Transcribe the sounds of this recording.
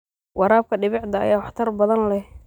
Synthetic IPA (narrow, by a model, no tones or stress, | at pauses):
wɑɾaːb̚kʰɐɖɪβɪʕd̪ɐ̰ːjaːwħt̪ʰɐrbɐðɐnlɛh